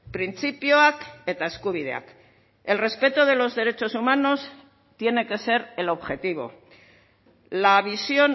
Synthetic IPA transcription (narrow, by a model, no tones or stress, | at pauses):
pɾint͡sipjoake̞t̪aeskuβ̞iðe̞̰a̰k | e̞lre̞spe̞t̪oð̞e̞lo̞zðe̞ɾe̞t͡ʃo̞sumano̞s | t̪je̞ne̞ke̞se̞ɾe̞lo̞βxe̞t̪iβ̞o̞̰ | laβisjo̞n